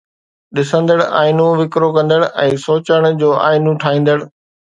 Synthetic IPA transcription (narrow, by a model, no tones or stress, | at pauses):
ɗɪsə̃nd̪əɽa̰ːɪnũʋɪkɾokɐ̃nd̪əɽɛ̃ːsoːt͡ɕəɽ̃d͡ʑoːʔa̰ːɪnũʈʰaːĩːn̆d̪əɽ